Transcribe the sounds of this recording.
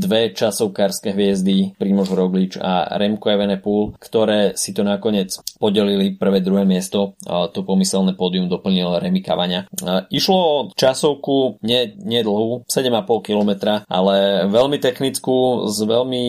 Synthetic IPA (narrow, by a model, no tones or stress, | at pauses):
d̪ʋɛt͡ʃasɔʊkaɾskɛɦʋɪɛzd̪ipɾiːmɔʒɾɔɡlit͡ʃa̰ɾɛmkɔɛʋɛnɛpuːlkt̪ɔɾɛːsit̪ɔnakɔɲɪɛt͡spɔɟɛlilipr̩ʋɛːd̪ɾuɦɛːmɪɛst̪ɔt̪ɔpɔmisɛlnɛpɔd̪iumd̪ɔpl̩ɲilɔɾɛmika̰ʋaɲɪaiʃlɔt͡ʃasɔʊkuɲɛɲɪɛd̪l̩ˠɦusɛɟɛmapɔlkilɔmɛt̪ɾaʔa̰lɛʋɛlmit̪ɛxnit͡skuːzʋɛlmi